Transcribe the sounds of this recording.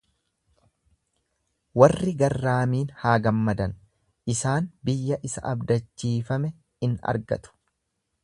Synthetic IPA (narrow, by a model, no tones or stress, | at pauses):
wɐrːɪɡɐrːaːmiːnhaːɡɐmːɐd̪ɐn | ʔɪsaːnbɪjːɐʔɪsɐ̰ʔɐbd̪ɐt͡ʃːiːfɐmɛ | ɪnɐ̰ɾɡɐ̰t̪ʊ̥